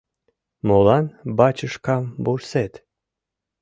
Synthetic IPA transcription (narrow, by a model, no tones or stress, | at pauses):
molˠɑnbɑt͡ɕəʃkɑmbuɾset̪